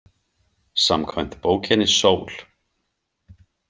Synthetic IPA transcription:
samkʰvajnt̪poːwcʰɛnɪsoːwl̥

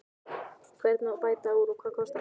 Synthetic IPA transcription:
feɾt̪nopajt̪auɾukakost̪

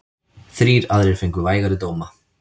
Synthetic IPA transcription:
θɾiːɾaðɾɛɾ̥feŋkʏvaːjɣaɾɪt̪oːwma

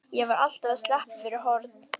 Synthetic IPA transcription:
jɛvaɾa̰l̥t̪avaðst̪lɛhpfɪɾɪɾɦɔɾt̪n

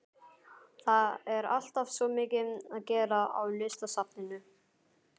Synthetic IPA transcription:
θaɛɾa̰l̥t̪av̥svɔmɪːcɪnaðcɛːɾaa̰wlʏst̪asap̚nɪnʏ

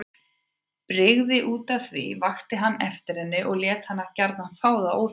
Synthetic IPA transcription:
pɾɪɣðɪʔuːt̪aθvḭvaxt̪ɪɦanːɛft̪ɪɾɛnːʏʔɔɣljɛːt̪hanːacaɾt̪nanfaːwðaow

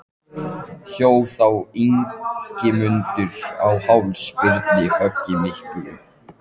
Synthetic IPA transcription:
çoːwθawiŋcɪmʏnt̪ʏɾ̥awhawlspɪɾt̪nɪhœcːɪmɪl̥kʏʏ

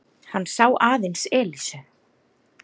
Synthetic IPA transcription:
hanːsaːwʔaːðensɛːlisʏ

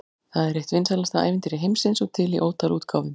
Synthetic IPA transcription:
θaðɛɾeht̪vɪnsaɾlast̪aa̰ːjvɪnt̪ɪɾɪɦejmsɪnsɔɣt̪ʰɪliʔoːwt̪ʰaluːt̪kʰawvɪm

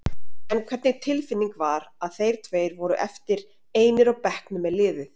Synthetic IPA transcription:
ɛnkʰvɛɾt̪nɪt̪ʰɪlfɪnːiŋkvaɾaðθejɾ̥t̪ʰveːjɾvɔɾʏʔɛft̪ɪɾ | eːjnɪɾawpɛhknʏmɛðlɪːvʏ

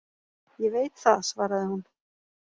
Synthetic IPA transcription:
jɛveːjt̪θaðsvaːɾaðɪhun

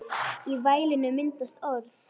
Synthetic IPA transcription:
ivaːjlɪnːʏmɪnt̪ast̪ɔɾθ

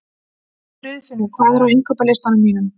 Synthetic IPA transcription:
ɾʏðfɪnːɪðkʰvaːðɪɾaweŋkʰœːpalejst̪anʏmːiːnʏm

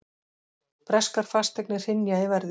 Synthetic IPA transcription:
pɾɛskaɾ̥fast̪ɛknɪr̥hɪnjaɪvɛɾðɪ

